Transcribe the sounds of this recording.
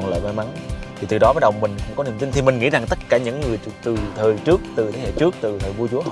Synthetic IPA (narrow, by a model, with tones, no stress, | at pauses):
nlə̰ː˧˨jmaː˧˦ma˨˦ŋt̪ʰi˨˩t̪ɨ˨˩ɗɔ˨˦ɓaː˨˦˥ɗə˨˩wmï˨˩ŋ̟kə̰˧˥ŋ͡mkɔ˨˦nḭ˧˨əmt̪i˧ŋt̪ʰi˨˩mï˨˩ŋ̟ŋḭ˧˥za˨˩ŋt̪ə˦˥t̚kaː˧˩ɲɨ̰˧˥ŋːɨ˨˩əjt͡ɕt̪ɨ˨˩t̪ʰəː˨˩jt͡ɕɨ˦˥ək̚t̪ɨ˨˩t̪ʰe˨˦hḛ˧˨t͡ɕɨ˦˥ək̚t̪ɨ˨˩t̪ʰəː˨˩vu˧t͡ɕu˨˦ə